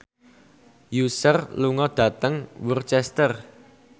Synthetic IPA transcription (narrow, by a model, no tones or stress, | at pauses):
jusərluŋɔd̪̥a̤t̪əŋwurt͡ʃɛst̪ər